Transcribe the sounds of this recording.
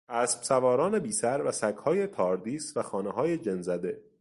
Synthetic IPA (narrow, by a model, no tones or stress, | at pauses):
ʔæːsb̥sævɒːɾɒːne̞biːsæɾvæsækʰhɒːje̞t̪ʰɒːɾd̪iːsvæxɒːneɦɒːje̞d͡ʒenzæd̪e̞